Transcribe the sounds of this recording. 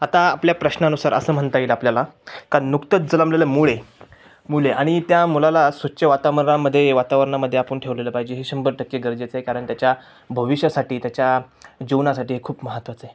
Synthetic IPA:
at̪aːpljapɾəɕnanusaɾʔə̰səːm̤əɳt̪ailapljalakanukt̪ət͡sd͡zələmleləmuɭe | muɭeʔaɽ̃it̪jamulalasʋətːɕʰəʋat̪aʋəɾɳaməd̪ʱːjeʋat̪aʋəɾəɳaməd̪ʱːjeapəɳʈʰeʋleləːpaɦid͡ʑeɦeɕəmbəɾʈʰəkːjeɡəɾd͡ʑet͡səɦekaɾəɳt̪jat͡ɕja | bʱəʋiɕjəsaʈiːt̪jat͡ɕjad͡ʑeʋnasaʈiːɦekʰuːpməɦət̪ʋat͡səɦe

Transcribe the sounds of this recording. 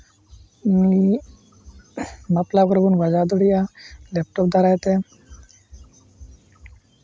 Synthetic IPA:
mi | məp̪lakɔɾbunbad͡ʒad̪oɽijalep̚ʈopd̪ʱaɾajt̪e

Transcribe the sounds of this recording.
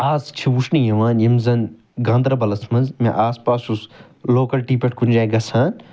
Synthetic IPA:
aːzt͡ʃʰiʋuʃnijɐʋaːnjɐmzɐn | ɡãːnd̪ɾɐbɐlɐsmɐnzmḛ̃ʔaːspaːsus | loːkɐlʈiːpʲɐʈʰkund͡ʒaːjɡɐsʰaːn

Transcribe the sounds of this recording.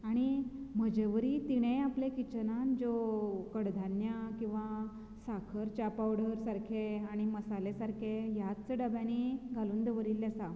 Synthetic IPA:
aɽ̃iməd͡ʑəʋəɾiːt̪iɽ̃ẽaplẽkit͡ɕənand͡zokəɽd̪ʱanjakĩw̃ʋa | sakʰəɾt͡ɕapaʋɽəɾsaɾkʰeaɽ̃iməsalesaɾkʰejatt͡səɖəbjãniɡʱaluːnd̪əʋəɾilːjasa

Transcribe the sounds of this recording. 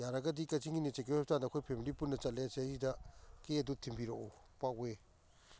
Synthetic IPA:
jaɾɐɡɐdikɐt͡ʃiŋinit͡ʃek̬ewep̚tandɐkʰojpʰemilipunːɐt͡ʃɐt̚leseasidɐkeɐdutʰimbiɾoo | pakwe

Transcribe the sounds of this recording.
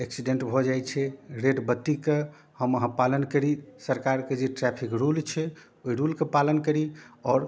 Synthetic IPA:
eksiɖeɳʈbʱɔd͡ʒajt͡ʃʰɛɾeɖbət̪ːike | həməɦãpalənkəɾisəɾkaɾked͡ʒeʈɾɛpʰikɾult͡ʃʰɛ | oiɾulkepalənkəɾiɔɾ

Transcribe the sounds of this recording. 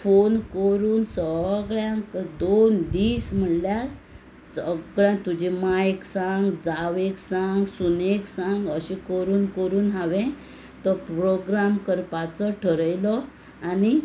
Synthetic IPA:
fonkəɾuːnsəɡɭjãkd̪ond̪iːsm̤əɽljaɾ | səɡɭjãt̪ud͡ʑemaksaŋɡd͡zaʋeksaŋɡsuneksãŋɡəɕĩkəɾuːnkəɾuːnɦaʋɛ̃ | t̪əpɾoɡɾamkəɾpat͡sɔʈʰəɾəjlɔ | ani

